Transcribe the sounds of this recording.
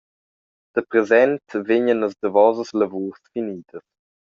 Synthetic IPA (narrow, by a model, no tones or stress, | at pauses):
d̪̥əpɾezɛnt̪vɪɲənəsd̪əvɔzəsləvuːsfiniːd̪əs